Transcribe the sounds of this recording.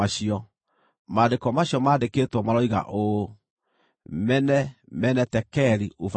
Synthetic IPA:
aɕiɔ | madekɔmaɕjɔmadeketwɔmaɾɔiɣa̰ʔo | mɛnɛmɛnɛtɛkɛɾiof

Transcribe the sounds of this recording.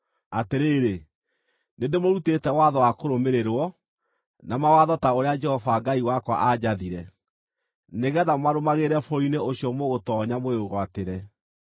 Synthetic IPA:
ateɾeːɾe | nendemoɾutetɛwaðɔwakoɾomeɾeɾwɔ | namawaðɔtaoɾead͡ʒɛhɔvaɡaiwakwa̰ʔad͡ʑaðiɾɛ | neɣɛðamaɾomaɣeɾɛfoineoɕijɔmoɣotɔɲamoeoɣwateɾɛ

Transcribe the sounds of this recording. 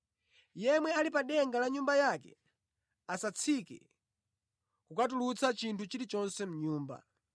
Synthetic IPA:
jɛmwɛalipaɗɛŋɡalaɲumbajakɛ̰ | asat͡sʰikɛ̰ | kukat̬ulut͡sʰat͡ʃintʰut͡ʃilit͡ʃɔnsɛm̩ɲuːmba̰

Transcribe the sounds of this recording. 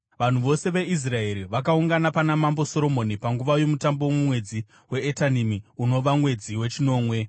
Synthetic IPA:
ʋan̤uʋo̞se̞ʋe̞is̬rae̞ɾiʋakauŋɡanapanamambo̞so̞ɾo̞mo̞nipaŋɡuʋajo̞mutambowmumwe̞d͡zi | we̞ːtanimiuno̞ʋamwe̞d͡ziwe̞t͡ʃino̞ːmwe̞

